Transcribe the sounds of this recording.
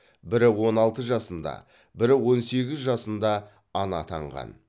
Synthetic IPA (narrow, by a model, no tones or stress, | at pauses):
bɪɾɪwo̞nɑlˠt̪əʒɑsənd̪ɑ̰ | bɪɾɪwo̞nse̞ɡʲɪzʒɑsənd̪ɑ | ɑnɑ̰t̪ʰɑ̰ɴʁɑ̰n